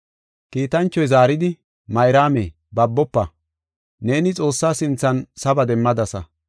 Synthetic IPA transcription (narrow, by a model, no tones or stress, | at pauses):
kiːt̪ɐnt͡ʃːɔjzaːɾɪd̪ɪ | mɐjɾaːme | bɐbːɔpːɐ | ne̞ːnɪt͡sʼo̞ːsːaːsɪnt͡sːɐnsɐbɐd̪ɛmːɐd̪ɐsɐ